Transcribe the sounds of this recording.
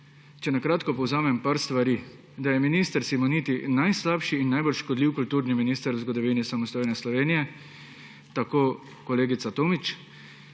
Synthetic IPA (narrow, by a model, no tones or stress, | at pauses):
t͡ʃɛnakɾaːt̪kɔpɔwzaːmɛmpaɾst̪ʋaɾiː | d̪ajɛminiːst̪əɾsimɔniːt̪inajslaːpʃiːnːajbolʃkɔd̪liwkult̪uːɾniminiːst̪əɾwzɡɔd̪ɔʋinisamɔst̪oːjnɛslɔʋeːnijɛ | t̪akoː | kɔleːɡit̪sat̪oːmit͡ʃ